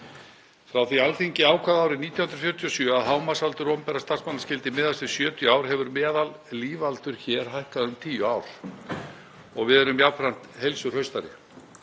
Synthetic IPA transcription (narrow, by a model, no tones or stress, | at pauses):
fɾawθialθiɲcɪaːwkʰvaðaːwɾɪniːt̪jahʏnɾfjœɾ̥t̪ʰjɔsjœːaðɦaːwmasalt̪ʏɾɔmpɛɾast̪aɾ̥smanːascɪlt̪ɪmɪːðasɪ̥sjœːt̪ʰjʏaːwɾ̥ɦɛvʏɾmɛːðal | liːvalt̪ʏɾ̥çɛːɾ̥ɦajhkaðʏmt̪ʰiːjʏaːwɾ̥ | ɔɣvɪðɛɾʏmjawpɾan̥t̪hejlsʏɾ̥hœɥst̪aɾɪ̰